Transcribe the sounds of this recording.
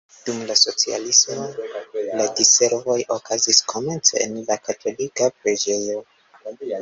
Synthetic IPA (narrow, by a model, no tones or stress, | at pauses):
d̥umlaso̞t͡sia̰lismoladise̞ɾvo̞jʔokʰaziskʰo̞me̞nt͡sḛḛnlakatʰo̞likapɾe̞d͡ʒe̞jo̞